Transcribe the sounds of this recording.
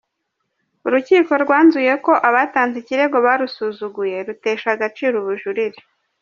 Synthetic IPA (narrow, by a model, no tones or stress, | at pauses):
uɾuciːko̞ɾɡwaːnzuje̞ko̞ʔaβaːtaːnziciɾe̞ɡo̞βaːɾusuzuɡuje̞ɾuteːʃaɡat͡ʃiːɾuβuʒuɾiɾi